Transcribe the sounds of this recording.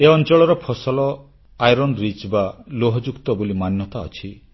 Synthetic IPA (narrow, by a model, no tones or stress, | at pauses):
eɔnt͡ʃɔɭɔɾɔpʰɔsɔlɔ | ajɾɔnɾid͡ʒbaloɦɔd͡ʒukt̪ɔbolimanjɔt̪aɔ̰t͡ʃʰi